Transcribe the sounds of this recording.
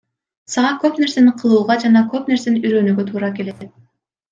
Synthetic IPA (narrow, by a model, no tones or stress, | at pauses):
sɑʁɑkøpneɾse̞nɪqʰɯlˠuːʁɑd͡ʒɑnɑkøpne̞ɾseniyɾøːnyɡøt̪ʰuːɾɑkeleet̪